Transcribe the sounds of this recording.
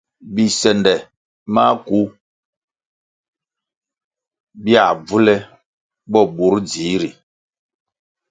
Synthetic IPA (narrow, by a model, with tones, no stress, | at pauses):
bi˨sɛ˨ndɛ˨ | ma˦ku˦ | bi˦a˨b͡vu˦lɛ˦ | bɔ˦˨ɓu˨˦ɾd͡ziː˨˦ɾi˨